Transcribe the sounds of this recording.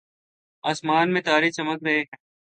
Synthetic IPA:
aːsmaːnmẽt̪aːɾit͡ʃɐməkɾɐɦeɦɛ̃ː

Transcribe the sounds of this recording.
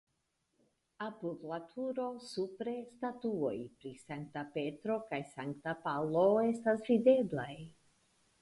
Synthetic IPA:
apuvlatʰuɾo̞supɾe̞statuo̞jpɾisaŋk̚tape̞tɾo̞kajsaŋktapalo̞e̞stasvide̞blaj

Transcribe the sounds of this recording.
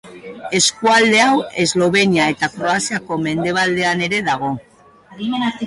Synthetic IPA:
e̞skuald̪e̞awe̞zlo̞βe̞niae̞t̪akɾo̞asiako̞me̞nd̪e̞β̞ald̪e̞ane̞ɾe̞ðaɣ̞o̞ | imena

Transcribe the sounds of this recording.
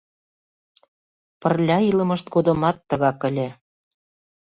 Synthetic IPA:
pərlʲɑilə̆mə̆ʃt̪̚ɡod̪ɤ̆mɑt̪ːəɣɑkə̆lʲe

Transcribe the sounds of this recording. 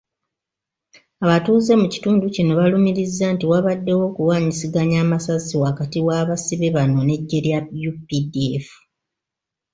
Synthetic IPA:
aβatuːze̞muci̥tuːnducino̞βalumiɾizːaːntiwaβadːe̞wo̞ːkuwaːɲisiɡaɲaːmasaziwakatiwaːβasiβeβano̞ne̞ɟːe̞ɾjajupidiefu̥

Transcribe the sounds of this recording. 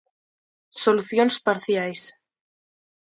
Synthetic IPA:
soluθjonspaɾθjajs

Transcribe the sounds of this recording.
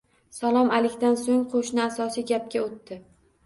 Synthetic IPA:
salˠɒmalɪkʲt̪ansoŋqʰoʃnɪasɒsijɡʲap̚kʲaot̪ːɪ

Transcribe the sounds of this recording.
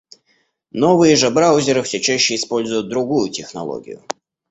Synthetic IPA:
novɨjəʐɨbɾawʊzʲɪɾɨfsʲɵt͡ɕæɕːɪɪspo̞lʲzʊjʊt̪̚d̪ɾʊɡujʊtʲɪxnɐ̰lˠo̰ɡʲɪ̰jʊ̰

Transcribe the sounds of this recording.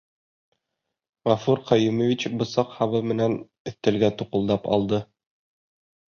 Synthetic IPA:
ʁɑfuɾqɒjumovʲit͡ɕbŏsɑqhɑβɤmɘ̆næn | ɘ̆θt̪ɘ̆lɡæt̪uqŭlˠd̪ɑpɑ̰lˠd̪ɤ

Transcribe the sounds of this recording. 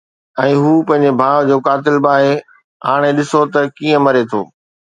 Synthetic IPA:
ɛ̃ːɦuːpɐ̃ɦɪ̃ɲ̆d͡ʑebʱaːʋd͡ʑoːkaːt̪ɪlbaːɦe | ɦa̰ːɽ̃eɗɪsot̪ɐkiːə̃mɐɾet̪ʰo̰ː

